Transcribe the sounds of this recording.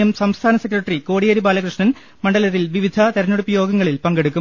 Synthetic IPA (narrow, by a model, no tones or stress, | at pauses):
ɐmsɐmst̪ʰaːnɐsek̬ːrɐʈriko̞ːɽijɐɾibaːlɐkruʂɳɐn | mɐɳɖɐlɐɾilʋiʋid̪ʱɐt̪ɐɾɐnuɽupːɐjo̞ːɡɐŋːɐɭilpɐŋɡeɽukːum